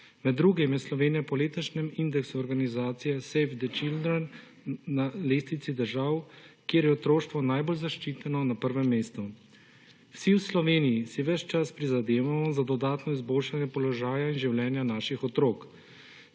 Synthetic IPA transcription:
mɛd̪ːɾuːɡimjɛslɔʋeːnijɛpɔleːt̪ɔʃnɛmind̪ɛksuɔɾɡanizaːt̪sijɛsɛjfd̪ɛt͡ʃild̪ɾɛn | naleːst̪it̪sid̪əɾʒawkjeːɾjɛɔt̪ɾoːʃt̪ʋɔnajbolzaʃt͡ʃiːt̪ɛnɔnapəɾʋɛmːeːst̪u | wsiwslɔʋeːnijisiʋɛt͡ʃt͡ʃaspɾizad̪eːʋamɔzad̪ɔd̪aːt̪nɔizboːlʃanjɛpɔlɔʒaːjainʒiwlɛːnjanaːʃixɔt̪ɾoːk

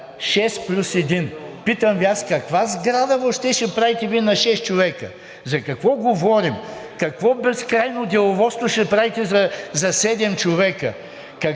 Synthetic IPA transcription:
ʃɛst̪plʲusɛd̪inpit̪əmviaskɐkvazɡɾad̪əvoʃt̪ɛʃɛpɾavit̪ɛvinɐʃɛst̪t͡ʃovɛkə | zɐkɐkvɔɡovɔɾimkɐkvɔbɛskɾajnod̪ʲɛlˠovɔst̪voʃɛpɾavit̪ɛzɐzɐsɛd̪ɛmt͡ʃovɛkə | kɐ

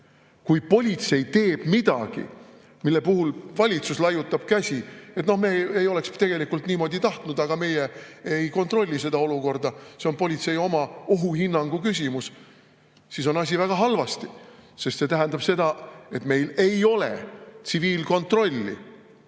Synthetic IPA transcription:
kujpo̞lʲit̪se̞jt̪e̞ːb̥mid̪̥ɑɡ̥ḭ | milːe̞puɦulvɑlʲit̪suslɑjut̪ːˑɑb̥kæsʲie̞t̪no̞hmeejo̞le̞kst̪e̞ɡ̥elikːˑult̪niːmo̞d̪it̪ɑht̪nud̪̥ɑɡ̥ɑme̞je | ejko̞nt̪ro̞lʲːis̬e̞d̪̥ɑo̞luko̞rd̪ɑseo̞npo̞lʲit̪se̞jo̞mɑoɦuhinːɑŋɡ̥ukysʲimus | siso̞nɑs̬ʲivæɡ̥ɑɦɑlvɑst̪ise̞st̪se̞t̪æɦæ̃nd̪ɑb̥se̞d̪̥ɑe̞t̪me̞jle̞jo̞le̞t̪siviːlko̞nt̪ro̞lʲːḭ

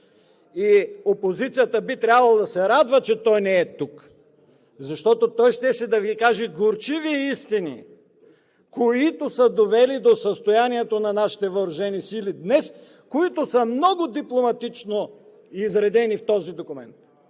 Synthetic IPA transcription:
iopozit̪sijət̪əbit̪ɾʲabvɐlˠɐd̪ɐsɛɾad̪vət͡ʃɛt̪ɔjnɛːɛt̪uk | zɐʃt̪ɔt̪ot̪ɔjʃt̪ɛsɛd̪ɐvikaʒɛɡoɾt͡ʃiviist̪inḭ | koit̪osəd̪ovɛlid̪osəst̪ojaniɛt̪onɐnaʃi̥t̪ɛvəːɾʊʒɛnisilid̪nɛs | koit̪ʊsəmnɔɡʊd̪iplˠomɐt̪it͡ʃno | iiːzɾɛd̪ɛnift̪ɔzid̪okʊmɛnt̪

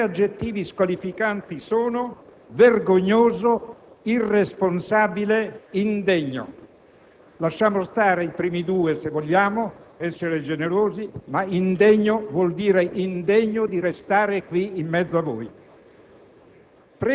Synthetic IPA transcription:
ad͡ʒːet̪ːiːviskwalifikant̪isoːno | verɡoɲːoːzo | iresponsaːbileind̪eɲːo̰ | laʃːaːmost̪aːɾeipɾiːmid̪uːesevːoʎːaːmoɛsːeɾed͡ʒeneɾoːzimaind̪eɲːovwɔld̪iːɾeʔind̪eɲːod̪iɾest̪aːɾekwiimːɛd̪zːoavːo̰j | pɾ

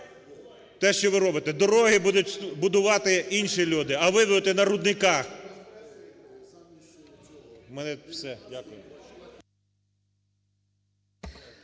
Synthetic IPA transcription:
t̪ɛʃt͡ʃɔʋɪɾɔbɪt̪ɛd̪ɔɾɔɦɪbud̪ʊtʲbʊd̪ʊʋɑt̪ɪinʃilʲud̪ɪɐʋɪd̪ʊd̪ɪt̪ɛnɐɾʊd̪nɪkɑx | mɛnɛwsɛakʊj

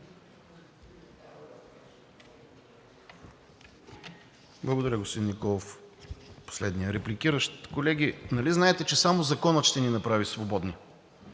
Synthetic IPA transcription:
blˠɐɡod̪ɐɾʲəɡosp̪od̪innikɔlˠof | po̥slɛd̪nijəɾɛplikiɾəʃt̪kolɛɡ̟inɐliznaɛt̪ɛt͡ʃɛsamozɐkɔnət̪ʃt̪ɛninɐpɾavisvobɔd̪ni

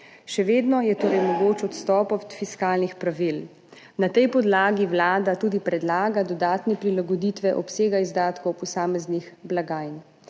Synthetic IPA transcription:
ʃɛʋeːd̪nɔjɛt̪oːɾɛjmɔɡoːt͡ʃɔt̪st̪ɔːpɔt̪fiskaːlnixpɾaʋil | nat̪ɛjpɔd̪laːɡiwlaːd̪at̪uːd̪ipɾɛd̪laːɡad̪ɔd̪aːt̪nɛpɾilaɡɔd̪iːt̪ʋɛʔɔpseːɡaizd̪aːt̪kɔwpɔsaːmɛznixblaɡaːjn

